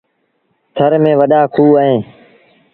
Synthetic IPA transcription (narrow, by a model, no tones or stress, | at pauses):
t̪ʰəɾmẽːʋəɗaːkʰuːəːɦẽː